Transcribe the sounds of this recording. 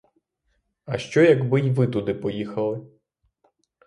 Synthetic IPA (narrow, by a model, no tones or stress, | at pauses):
ɐʃt͡ʃɔjɐɡbɪjʋɪt̪ud̪ɪpɔjixɐlˠɪ